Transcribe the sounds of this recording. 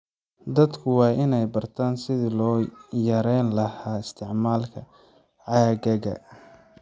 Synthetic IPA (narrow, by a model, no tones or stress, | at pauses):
d̪ɐd̪kʰʊwɑːʔɪnɛjbɐrt̪ʰaːnsɪðɪlɔːjɐɾɛjnlɐhaːɪst̪ʰɪʕmaːlkʰɐ | ʕɑːɣɐɣɐ̰